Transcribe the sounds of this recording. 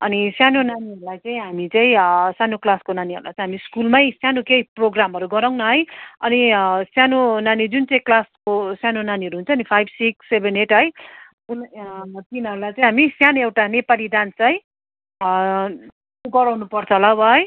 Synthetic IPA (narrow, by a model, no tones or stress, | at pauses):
ʌnisjanonaniɦʌɾulajt͡saĩɦamit͡saĩsjanoklaskonaniʌ̰ɾulajt͡saĩɦamiskulmajsjanokejproɡramɦʌɾuɡʌɾaw̃nʌɦʌjʌnisjanonanid͡zunt͡sʌĩklaskosjanonaniʌɾuɦunt͡sʰʌːnipʰajbsiksːebeneʈɦʌj | unt̪inɦʌɾulajt͡saĩɦamisjanoewʈanepalidant͡saĩ | oɡʌɾawnupʌrt͡sʰʌlʌbʌɦʌj